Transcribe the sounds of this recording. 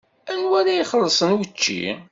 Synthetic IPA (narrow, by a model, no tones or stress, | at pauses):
ænwæɾajiχəlːsˤənwət͡ʃːḭ